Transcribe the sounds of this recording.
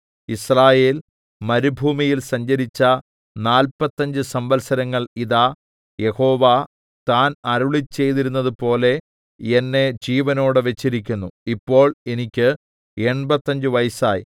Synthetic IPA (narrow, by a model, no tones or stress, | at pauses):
israːje̞ːl | mɐɾubʱuːmijilsɐɲd͡ʑɐɾit͡ɕːɐ | naːlpɐt̪ːɐɲd͡ʑɨsɐmbɐlsɐɾɐŋːɐɭiðaː | je̞ho̞ːʋa | t̪aːnɐɾuɭit͡ɕːe̞jt̪iɾunːɐðɨpo̞ːle̞ | enːe̞d͡ʑiːʋɐno̞ːɽɨʋe̞t͡ɕːiɾik̬ʲːunːuipːo̞ːɭe̞nikʲːɨ | e̞ɳbɐt̪ːɐɲd͡ʑɨʋɐjsaːj